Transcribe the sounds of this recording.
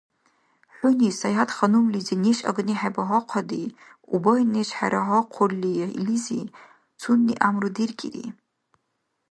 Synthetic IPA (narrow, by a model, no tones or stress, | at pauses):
ħʷʊnisajadχanumlizeneʃʼa̰ɡniħabaɦɔqʷʰadi | ṵbajneʃħa̰ɾʔaɦɔqʷʰʊrlːiḭlizḭ | t͡sʰunːiʔamrɨdirkʲʼḭɾḭ